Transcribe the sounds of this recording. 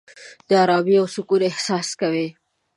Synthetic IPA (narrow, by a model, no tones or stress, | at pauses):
d̪̥əaɾɑbiawsʊkuɾɪhsɑskawi